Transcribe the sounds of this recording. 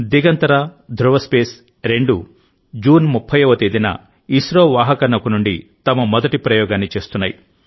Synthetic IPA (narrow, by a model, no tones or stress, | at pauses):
d̪iɡɐnt̪ɐɾaːd̪ʱɾuʋɐspeːs | ɾe̞ɳɖu | d͡ʒuːnmupʰːɐjʋɐt̪ed̪inɐ̰ | isɾoːʋaːɦɐkɐnːɐkunuɳɖit̪ɐmɐmɔd̪ɐʈipɾɐjɔːɡaːnːit͡ʃe̞ːst̪unːaːji